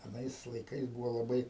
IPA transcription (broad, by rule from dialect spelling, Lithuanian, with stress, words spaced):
ɐˈnɐɪs lˠɐɪˈkɐɪs ˈbuːʋoː lˠɐˈbɐɪ